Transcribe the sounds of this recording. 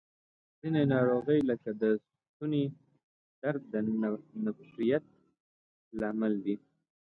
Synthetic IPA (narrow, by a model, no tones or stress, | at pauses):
z̥inenɑɾoɣəjləkad̪əs | t̪une | d̪̥aɾ̚d̪ənafʃɾijat̪̚ | lɑmald̪i